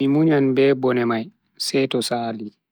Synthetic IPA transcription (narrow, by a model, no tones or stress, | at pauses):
mimuɲanbɛːbɔnɛmaj | sɛtɔsaːlːi